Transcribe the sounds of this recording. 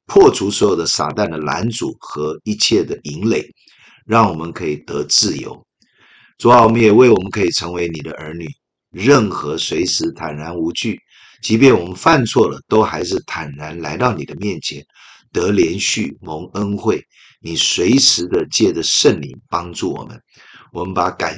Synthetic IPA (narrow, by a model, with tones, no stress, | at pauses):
pʰwɔ˥˩ʈ͡ʂʰu˧˥swɔ˧˥jo˨˩ʊd̪ə˦sa̰˨˩t̪a˥˩nd̪ə˩la̰˧˥nt͡sṵ˨˩xɤ˧˥i˥t͡ɕʰjɛ˥˩d̪ə˩i˧˥ŋle˨˩ɪ | ɻɑ˥˩ŋwɔ˨˩mə˦nkʰɤ˧˥i˨˩t̪ɤ˧˥t͡sɹ̩˥˩jo̰˧˥ʊ | ʈ͡ʂu˨˩a˥˩wɔ˨˩mə˦njɛ˨˩we˥˩ɪwɔ˨˩mə˦nkʰɤ˧˥i˨˩ʈ͡ʂʰɤ˧˥ŋwe˧˥ɪni˨˩d̪ə̰˦ʔə˞˧˥ny˨˩ | ɻə˥˩nxɤ˧˥swe˧˥ɪʂɻ̩˧˥t̪ʰa˨˩nɻa˧˥nu˧˥t͡ɕy˥˩ | t͡ɕi˧˥p̬jɛ˥˩nwɔ˨˩mə˦nfa˥˧nt͡sʰwɔ˥˩lə˩t̪o˥ʊxa˧˥ɪʂɻ̩˥˩t̪ʰa˨˩nɻa˧˥nla˧˥ɪt̪ɑ˥˩ʊni˨˩d̪ə˦mjɛ˥˩nt͡ɕʰjɛ˧˥˦n | t̪ɤ˧˥ljɛ˧˥nɕy̰˥˩mo˧˥ŋə˥nxwe˥˩ɪ | ni˨˩swe˧˥ɪʂɻ̩˧˥d̪ə˧t͡ɕjɛ˥˩də˩ʂə˥˩nlḭ˧˥ŋpɑ˥ŋʈ͡ʂu˥˩wɔ̰˨˩mə̰˦n | wɔ˨˩mə˦npa˧˥ka̰˨˩